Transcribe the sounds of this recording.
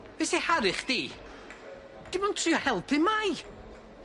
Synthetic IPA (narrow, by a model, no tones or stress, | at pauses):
vɛsihaɾɨχd̥iː | d̥ɪmɔntʰriːɔhɛlˠpʰɪmaj